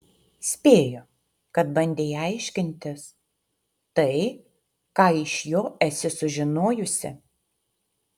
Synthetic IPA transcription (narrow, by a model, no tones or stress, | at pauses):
sʲpʲeːjo | kɐt̪bɐnʲd̪ʲejɐɪʃʲkʲɪnʲt̪ʲɪs | t̪ɐɪ | kɑːɪʃjoːɛsʲɪsʊʒʲɪnoːjʊsʲɪ̰